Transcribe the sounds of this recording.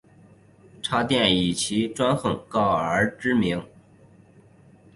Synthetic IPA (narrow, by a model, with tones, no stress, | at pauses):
ʈ͡ʂʰa˥t̪jɛ˥˩ni˨˩t͡ɕʰi˧˥ʈ͡ʂwa˥nxɤ˥˨˩ŋkɑ˥˩ʊə˞˧˥ʈ͡ʂɻ̩˥mi˧˥ŋ